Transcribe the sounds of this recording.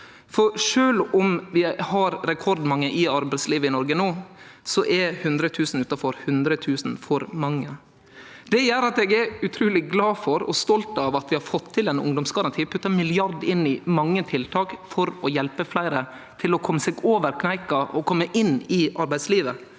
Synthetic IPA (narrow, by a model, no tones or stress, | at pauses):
fɔɾʂøːlɔmʋɪhɑɾɾɛkʰɔɾd̪mɑŋːəʔɪɑɾbæɪsliːʋəɪnɔɾɡənoːsɔʔɛhʉnd̪ɾət̪ʰʉːsn̩ʉːt̪ɑfɔɾhʉnd̪ɾət̪ʰʉːsn̩fɔɾmɑŋːə | d̪̥ɛjæːɾɑt̪ɛɡɛʉt̪ʰɾʉːlɪɡlɑːfɔɾɔ̰st̪ɔlt̪ɑʋɑt̪ʋɪhɑɾfɔt̪ʰːɪlɛnʊ̰ŋd̪ɔmsɡɑɾɑnt̪ʰiːpʰʉt̪ːəmɪlɪɑɾd̪ɪnːɪmɑŋːət̪ʰɪlt̪ʰɑːkfɔɾɔjɛlpəflæɪɾə | t̪ʰɪlɔkʰɔmːəsɛɡoːʋəɾkʰnæɪkɑʔɔkʰɔmːəʔɪnːɪʔɑɾbæɪsliːʋə